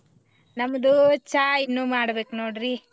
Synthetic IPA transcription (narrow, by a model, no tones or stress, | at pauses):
nɐmːɐd̪ut͡ʃaːjinːuːmaːɽɐbeːknoːɽɾi